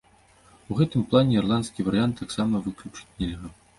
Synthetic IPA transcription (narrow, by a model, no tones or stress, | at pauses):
uɣɛt̪ɨmplˠanʲɛirlˠant̪skʲivɐɾɨjant̪ːaksamɐvɨklʲut͡ʂɨ̥t͡sʲnʲɛlʲɣɐ